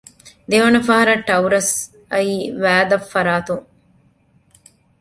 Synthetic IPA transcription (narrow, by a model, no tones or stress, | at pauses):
d̪eʋɐnɐfɐɦɐɾɐʈːɐwɾɐs | ɐiːʋæːd̪ɐfːɐɾaːt̪uŋ